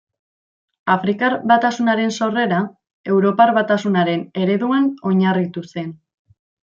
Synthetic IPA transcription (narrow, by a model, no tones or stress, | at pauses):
afɾikaɾβat̪asunaɾe̞nso̞re̞ɾa | e̞wɾo̞paɾβat̪asunaɾe̞ne̞ɾe̞ðuano̞ɲarit̪use̞n